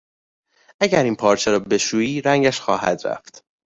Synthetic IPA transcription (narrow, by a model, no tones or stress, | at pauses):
æɟæɾiːnpʰɒːɾt͡ʃʰeɾɒːbe̞ʃuːiːɾæŋɟæʃxɒːhæ̰d̪ɾæ̰ft̪